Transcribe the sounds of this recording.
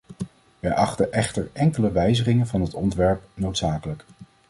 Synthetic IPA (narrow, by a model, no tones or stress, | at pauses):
ʋɛjʔɑχtəʔɛχtəɹɛŋkələʋɛjzəχɪŋənvɑnɦətɔntʋɛɹpnowtsaːkələk